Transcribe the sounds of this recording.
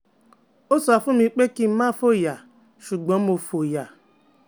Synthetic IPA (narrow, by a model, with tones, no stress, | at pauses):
o˦sɔ˨fʊ˦mi˦k͡pe˦ki˦ma˦fo˦ja˨ | ʃu˨ɡ͡bɔ˨˦o˨fo˨ja˨